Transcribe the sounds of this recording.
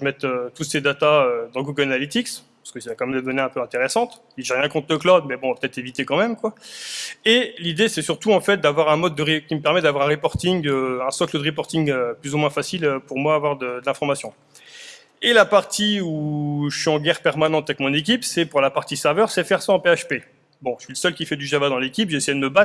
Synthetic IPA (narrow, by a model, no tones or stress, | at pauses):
ʒəmɛt̪øt̪used̪at̪aød̪ɑ̃ɡuɡəlanalit̪ikspasə̥kəziakɑ̃mɛmd̪əd̪vəneɛ̃pøɛ̃t̪eʁesɑ̃t̪ | iʒiʁjɛ̃kɔ̃t̪χləklad̪̚mɛbɔ̃vapət̪ɛt̪χevit̪ekɑ̃mɛmkwa | elid̪esɛsyʁt̪uɑ̃fɛt̪̚d̪avwaʁɛ̃mɔd̪ːəʁikʲiməpɛʁmɛd̪avwaʁɛ̃ʁipɔʁt̪iŋɡøɛ̃sɔkləd̪əʁipɔʁt̪iŋɡøplyzumwɛ̃fasiløpuʁmwaːvwaʁd̪əd̪əlɛ̃fɔʁmasjɔ̰̃ | elapaʁt̪iuʒəsyɑ̃ɡʲɛʁpɛʁmanɑ̃t̪avɛkmɔ̃nek̬ʲipsɛpuʁlapaʁt̪isɛʁvœʁsɛfɛʁsaɑ̃peaʃpe | bɔ̃ʃəɥiləsœlkʲifɛd̪yʒavad̪ɑ̃lekʲipʒesejed̪əməbat̪